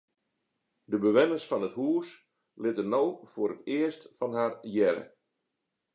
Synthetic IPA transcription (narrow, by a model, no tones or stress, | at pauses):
dəbəʋɛnəsfɔnəthuəs | lɪtənowfʊːɾətɪəstfɑnɦarjɛɾə̰